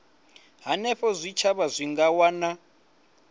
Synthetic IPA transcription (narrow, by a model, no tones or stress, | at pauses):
ɦanɛɸɔzʷit͡ʃʰaβazʷiŋɡawana